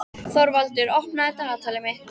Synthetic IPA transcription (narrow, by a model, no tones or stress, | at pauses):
θɔɾvalt̪ʏɾɔhpnaɛt̪aat̪ʰaːlɪmehk